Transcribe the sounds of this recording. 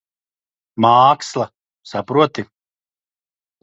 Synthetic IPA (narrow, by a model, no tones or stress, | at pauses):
maːkslˠɐ | sapɾuɔt̪i